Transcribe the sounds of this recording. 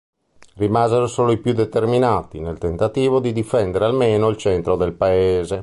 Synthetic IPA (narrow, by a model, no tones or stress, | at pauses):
rimaːzeɾosoːloipjud̪ːet̪erminaːt̪inelt̪ent̪at̪iːvod̪id̪ifɛnd̪ɛɾealmeːnoilt͡ʃɛnt̪ɾod̪elpaeːze